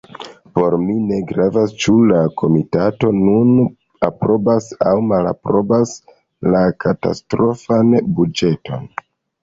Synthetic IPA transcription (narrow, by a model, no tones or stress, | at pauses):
po̞ɾmine̞ɡɾavast͡ʃulakʰo̞mitato̞nun | apɾo̞basawmala̰pɾo̞bas | lakʰata̰stɾo̞fanbud͡ʒe̞tʰo̞̰n